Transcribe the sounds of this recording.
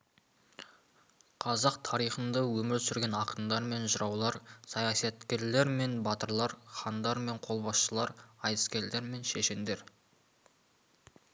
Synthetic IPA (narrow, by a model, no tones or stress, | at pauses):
qʰɑzɑqt̪ʰɑɾijχənd̪ɑwɵmɪɾsʏɾɡʲe̞nɑqənd̪ɑɾme̞nʒəɾɑwlˠɑɾsɑjɑsɑt̪kʲe̞ɾle̞ɾme̞nbɑt̪əɾlˠɑɾχɑnd̪ɑɾme̞ɴqʰo̞lˠbɑsʃəlˠɑɾɑj̪əskʲe̞ɾle̞ɾme̞nʃeʃɪnd̪e̞ɾ